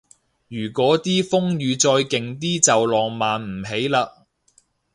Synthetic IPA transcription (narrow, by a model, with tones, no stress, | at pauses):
jyː˨˩kʷɔː˨˥t̪iː˥fʊ˥ŋjyː˨˧t͡sɔː˧jkɪ˨ŋt̪iː˥t͡sɐ˨wlɔː˨˩ŋmaː˨nm̩˨˩ɦe˨˥jlaː˧k̚